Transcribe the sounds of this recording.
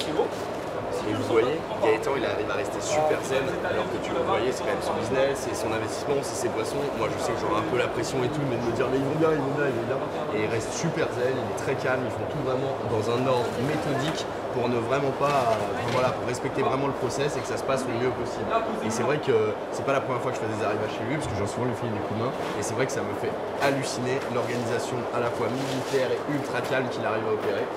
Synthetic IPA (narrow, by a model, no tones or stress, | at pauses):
k | evuvwaje | ljaet̪ɑ̃ilaʁivaʁɛst̪esypɛʁzɛlalɔʁkət̪yvuvwajesɛkɑ̃mɛmsɔ̃biznɛsːɛsɔ̃nɛ̃vɛst̪i̥smɑ̃sɛsepwasɔ̃mwaʒəsɛkəʒɔʁaɛ̃pølapχesjɔ̃et̪umɛd̪əməd̪iʁmɛilvɔ̃bjɛ̃ilvɔ̃bjɛ̃ilvɔ̃bjɛ̃ | eilʁɛst̪sypɛʁzɛlilɛt̪χɛkʲalmilfɔ̃t̪uvʁɛmɑ̃d̪ɑ̃zɛ̃nɔ̃ | met̪ɔd̪ik | puʁnəvʁɛmɑ̃pa | fɛ̃vwalapuʁːɛspɛk̚t̪evʁɛmɑ̃ləpχɔsɛsekə̥sasə̥pasləmjøpɔsibl | esɛvʁɛkə | sɛpalapχəmjɛʁfwakəʒəfɛd̪ezaʁivaʃelɥipḁskəʒ̃suvɑ̃ləfind̪ekud̪mɛ̃ | esɛvʁɛkə̥saməfɛ | alysinelɔʁɡanizasjɔ̃alafwamilit̪ɛʁeylt̪χakalmkʲilaʁivaɔpeʁe